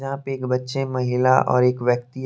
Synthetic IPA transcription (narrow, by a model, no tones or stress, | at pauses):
ãːpeːkbɐtːʃemɐɦɪlaʔɔ̰ːɾeːkʋjək̚t̪i